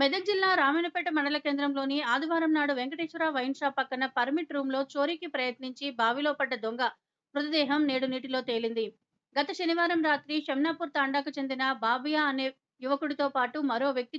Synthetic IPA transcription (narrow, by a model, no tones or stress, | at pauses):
mɛd̪ɐd͡ʒilːaːɾaːmɐːnɐpɛʈːɐmɐɳɖɐlɐke̞ːnd̪ɾɐmlo̞ːniaːd̪iʋaːɾɐmnaːɽuʋeŋkɐʈeːʃʋɐɾaːʋɐjnʃaːpɐkːɐnɐpɐɾmiʈɾuːmlo̞ːt͡ʃo̞ːɾikipɾɐjɐt̪niɲt͡ʃibʱaːʋiloːpɐɖːɐd̪oŋɡɐ | pɾut̪ɐd̪ɛːɦɐmne̞ːɽuniːʈilo̞ːt̪e̞ːlind̪i | ɡɐt̪ɐʃɐniʋaːɾɐmɾaːt̪ɾiʃɐmnaːpuːɾt̪aːɳɖaːkut͡ʃend̪inɐbʱaːbɐjaːɐne̞ː | juʋɐkuɽit̪oːpaːʈumɐɾo̞ːʋjɐk̚t̪i